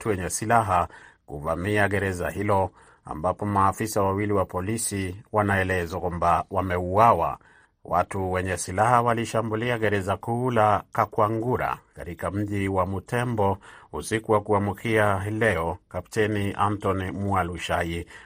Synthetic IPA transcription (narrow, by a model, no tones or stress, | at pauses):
tuwɛɲɛsilaɦakṵva̰miaɡɛɾɛza̰hilɔ | a̰mbapɔmaːfisawawiliwapɔlisiwanaɛlɛzakwambawamɛuwawa̰ | watuwɛɲɛsilahawaliʃambuliaɠɛɾɛzakulakakwaŋɡuɾa̰kaɾikam̩ʄiwamutɛmbɔusikuwakuamukʰialɛɔkapitɛniʔantɔnimualuʃai